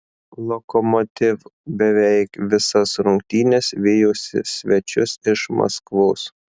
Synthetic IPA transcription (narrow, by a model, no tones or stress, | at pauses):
lˠɔkɔmɔt̪ʲɪʋbʲɛʋʲɛɪkʋʲɪsɐsɾʊŋkt̪ʲiːnʲɛsʋʲɪjoːsʲɪ̰sʲʋʲɛt͡ʃʲʊsɪʃmɐ̰skʋoːs